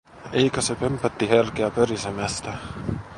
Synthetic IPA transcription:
ejkæsepømpːæt̪ːiherk̟eæpørisemæst̪æ

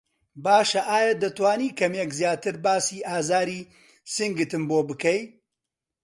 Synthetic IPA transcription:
baːʃɐʔaːjɐd̪ɐt̪waːniːkʰɐmekzjaːt̪ɨɾbaːsiːʔaːzaːɾiː | sɨŋɡɨt̪ɨmboːbɨkɐj

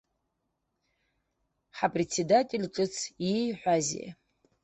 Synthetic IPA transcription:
ħapʼret͡sʰedatʼelʲʈ͡ʂʼɨt͡sʰijħʷazḛ

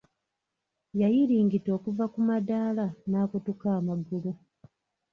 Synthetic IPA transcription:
jajiɾiːŋɡito̞ːkuvakumadaːlanaːkutukaːmaɡulu

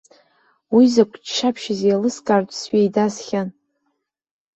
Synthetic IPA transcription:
wizakʷʰʼt͡ʃʃapʰʃɪzjalɨskʼartʷʼsɥejdasχʲan

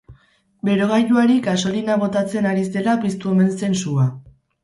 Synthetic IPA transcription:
be̞ɾo̞ɣajuaɾiɡaso̞linaβo̞t̪at͡se̞naɾise̞lapist̪uo̞me̞nse̞nsua

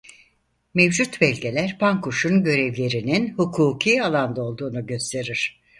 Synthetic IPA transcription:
mevd͡ʒut̪bɛlʲɡɟe̞lʲæɾpʰaŋkuʃunɟø̞ɾɛvlʲe̞ɾininhukʰuːcʰijalˠand̪ao̞lˠd̪uːnuɟø̞st̪ʰe̞ɾiɾ̥

